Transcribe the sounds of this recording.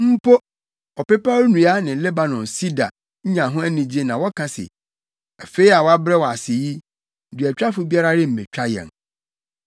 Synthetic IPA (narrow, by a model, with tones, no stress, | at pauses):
m̩˦po˦ | ɔ˨pɛ˦pa˦nũ˨˦a˦nɪ̃˨lɛ˦ba˨nɔ̃˨nsi˦da̰˨ | ɲ̩˦ɲã˨ɦʊ̃˦æ˦nĩ˨d͡ʑe˦nã˨wɔ˦kʰã˨sɪ̰˨ | a˨fe˦i˦a˨wɔ˦a˦bɾɛ˦wɔ˨a˨sɪ˨ji˦ | dɪ˨ɛ˨t͡ɕᶣa˦fʊ˨bi˦a˦ɾa˦ɾɪ˦m̩˨mẽ˨t͡ɕᶣa˦jɛ̰˨n